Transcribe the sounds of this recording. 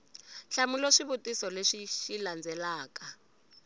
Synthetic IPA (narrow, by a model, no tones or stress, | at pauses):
ɬamulɔʂiβutisɔleʂiʃiland͡zɛlaːka